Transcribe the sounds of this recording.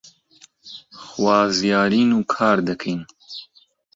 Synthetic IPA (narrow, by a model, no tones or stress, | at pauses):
xwaːzjaːɾiːnuːkʰaːɾd̪ɐkʰejn